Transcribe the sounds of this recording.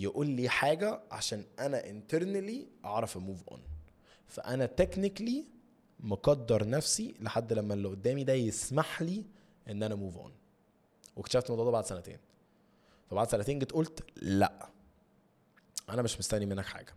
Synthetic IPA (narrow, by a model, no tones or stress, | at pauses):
jeʔuːlːiːħaːɡæʕa̰ʃæːnʔænæʔent̪eɾnliʔɑʕɾˤɑfemuːvʔo̰n | fæ̰ʔænæt̪eknikli | moɡɑd̪ːɑɾˤnæfsileħad̪ːlæmːælːʔod̪ːæːmid̪æjesmaħliː | ʔenːʔænæmuːvʔo̰n | wekt̪ʃæːft̪mæd̪ˤɑd̪ˤɑbaʕd̪sænæt̪ḛːn | fæbaʕd̪sænæt̪eːnɡet̪ʔolt̪læ̰ʔ | ʔænæmeʃmost̪ænimenːækħa̰ːɡæ